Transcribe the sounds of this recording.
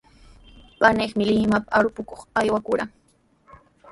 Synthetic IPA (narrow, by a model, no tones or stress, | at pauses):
panɪχmɪlɪmapaaɾʊpʊkoχajwakʊɾaŋ